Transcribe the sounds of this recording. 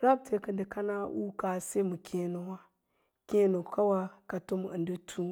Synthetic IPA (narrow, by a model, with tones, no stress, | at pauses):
ɾa˦b̚tʰe˨kə˨ndə˨ka˦na˦wṵ˦ka˨se˦mu˨kʲʰe˦no˨wa˦ | kʲe˦no˨ka˦wa˦ka˨to˦m˨ə̰˨ndə˦tʰu˦